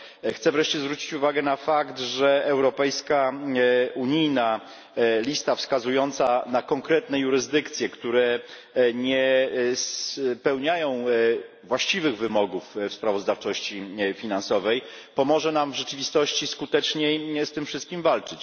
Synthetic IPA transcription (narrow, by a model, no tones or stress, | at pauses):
xt̪sɛvɾɛʂt͡ɕɛzvɾut͡ɕit͡ɕuvaɡɛnafakt̪ʐɛɛwɾɔpɛjska | uɲijna | lʲist̪afskazujɔnt̪sanakɔŋkɾɛt̪nɛjuɾɘzd̪ɘkt̪sʲjɛkt̪uɾɛ | ɲɛspɛwɲajɔ̃w̃ | vwaɕt͡ɕivɘɣvɘmɔɡuffspɾavɔzd̪aft͡ʂɔɕt͡ɕifʲinansɔvɛjpɔmɔʐɛnamvʐɛt͡ʂɘvʲist̪ɔɕt͡ɕiskut̪ɛt͡ʂɲejst̪ɘmfʂɘst̪̚kʲimvalt͡ʂɘt͡ɕ